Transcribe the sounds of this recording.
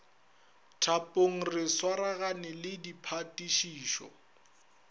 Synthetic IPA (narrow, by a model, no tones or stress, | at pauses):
tʰapʼoŋ̩rɪswaɾaɣanɪlɪdipʰatʼiʃiːʃɔ̰